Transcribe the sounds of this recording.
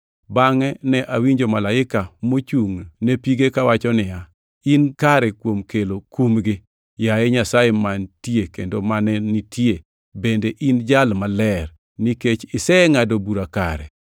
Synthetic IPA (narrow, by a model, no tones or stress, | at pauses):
baŋɛnɛʔawiɲd͡ʒomalaɪkamot͡ʃuŋnepiɡekawat͡ʃɔnɪja | inkaɾɛkwomkelokumɡɪ | jaɛɲasajemantjekḛndomanɛnitʰje | bendeʔind͡ʒalmalɛr | niket͡ʃɪsɛŋadobuɾaka̰ɾɛ̰